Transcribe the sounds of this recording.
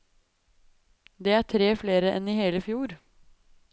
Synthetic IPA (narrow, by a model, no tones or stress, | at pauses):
d̪eːæːʈʰɾeːfleːɾəʔɛniːheːləfjuːɾ